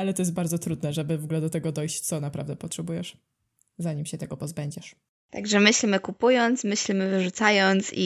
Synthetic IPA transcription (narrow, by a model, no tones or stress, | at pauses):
alɛt̪ɔjɛst̪̚baɾd̪zɔt̪ɾud̪nɛʐɛbɘvɔɡulɛd̪ɔt̪ɛɡɔd̪ɔjɕt͡ɕt̪sɔnapɾa̰vd̪ɛpɔtʂɛbujɛʂ | zaɲimɕɛt̪ɛɡɔpɔzbɛɲd͡ʑɛʂ | t̪a̰ɡʐɛmɘɕlʲimɘkupujɔnt̪smɘɕlʲimɘvɘʐut̪sajɔnt̪sḭ